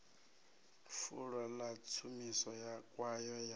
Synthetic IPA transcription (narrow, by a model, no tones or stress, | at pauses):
fuɺwalat͡sʰumisɔjakʼwajɔja